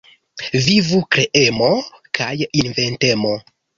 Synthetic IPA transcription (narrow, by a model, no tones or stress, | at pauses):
vivukɾe̞ʔe̞mo̞kʰajinve̞nte̞mo̞